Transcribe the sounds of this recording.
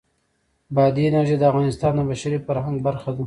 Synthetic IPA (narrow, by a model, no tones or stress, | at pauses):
bɑd̪inaʒed̪əavɣɑnɪst̪ɑnd̪əbaʃaɾifaɾhaŋɡbaɾxad̪u